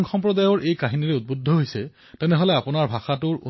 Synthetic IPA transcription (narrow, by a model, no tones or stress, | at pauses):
ŋxɔmpɹɔdajɔɹʔejkaɦiniɹɛut̚budʱːɔɦojsɛ | tɛnɛɦɔlɛapʊnaɹbʱaxatʊɹṵ